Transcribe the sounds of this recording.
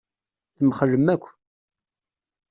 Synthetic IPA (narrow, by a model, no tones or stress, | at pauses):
θəmχləmːækʷː